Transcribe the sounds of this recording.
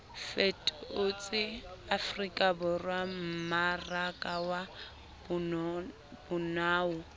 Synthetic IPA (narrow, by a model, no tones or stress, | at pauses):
fetʼʊt͡sʼɪafrikʼabʊrwam̩marakʼawa | bʊnaːʊ